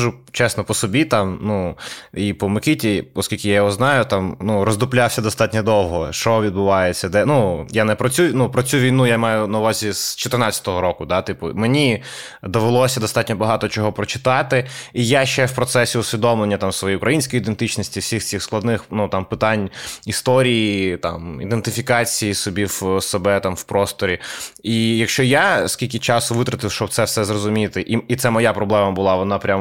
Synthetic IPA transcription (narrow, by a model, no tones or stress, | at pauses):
ɐʒut͡ʃɛsnɔpɔsɔbʲit̪ɑmnuipɔmekɪtʲiɔskʲilʲkɪjajɔɦɔznɑjʊt̪ɑmnuɾɔzd̪ʊplʲawsʲɐd̪ɔst̪ɑtʲnʲɔd̪ɔwɦɔʃt͡ʃɔʋʲid̪̚bʊʋɑjet͡sʲːɐd̪ɛnujanɛpɾɔt͡sʲunupɾɔt͡sʲuʋʲijnujamɑjʊnɐʊʋɑzʲiz̥t͡ʃɔt̪ernɑt͡sʲɐ̥t̪ɔɦɔɾɔkʊd̪ɑt̪ɪpʊmenʲi | d̪ɔʋelˠɔsʲɐd̪ɔst̪ɑtʲnʲɔbɐɦɑt̪ɔt͡ʃɔɦɔpɾɔt͡ʃɪ̥t̪ɑt̪ɪijaʃɛwpɾɔt̪sɛsʲiʊsʲʋʲid̪ɔmlˠenʲːɐt̪ɑmsʋɔjijʊkɾɐjinʲsʲkɔjid̪ent̪ɪt͡ʃnɔsʲtʲiwsʲixt͡sʲixsklˠɐd̪nɪxnut̪ɑmpɪt̪ɑnʲist̪ɔɾʲijit̪ɑ̰mḭd̪ent̪ɪfʲikɑt͡sʲijisʊbʲiwsebɛt̪ɑmwpɾɔst̪ɔɾʲiijɐkʃt͡ʃɔjaskʲilʲkʲɪt͡ʃɑsʊʋɪt̪ɾɐt̪ɪwʃt͡ʃɔb̚t̪sɛwsɛzrɔzʊmʲit̪ɪʔiit̪sɛmɔjapɾɔblˠɛmɐbʊlˠɑʋɔnɑpɾʲam